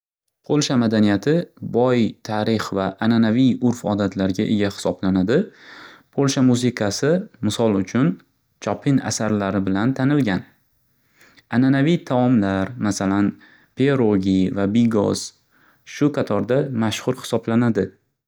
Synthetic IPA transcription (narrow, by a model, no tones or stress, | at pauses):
qʰolˠʃamad̪anijat̪ʰɪbɒjt̪ʰaɾɪχvaʔːnanavijʊɾfɒd̪at̪ʰlaɾɡʲaʔḛɡʲahɪ̥sɒblanad̪ɪpʰolˠʃamuzɪkʰasɪmɪsɒlˠʊt͡ʃʰʊn | t͡ʃʰɒpʰɪna̰saɾlaɾɪbɪlant̪ʰanɪlɡʲan | ananavijt̪ʰaɒmlaɾmasalan | pʰeɾoɡʲivabiɡɒ̰z̥ | ʃʊqʰɑt̪ʰɒɾd̪amaʃhʊɾhɪ̥sɒblanad̪ɪ